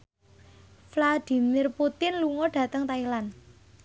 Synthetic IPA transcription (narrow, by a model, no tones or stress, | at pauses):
flad̥i̤mɪrput̪ɪnluŋɔɖ̥ä̤t̪əŋt̪ailan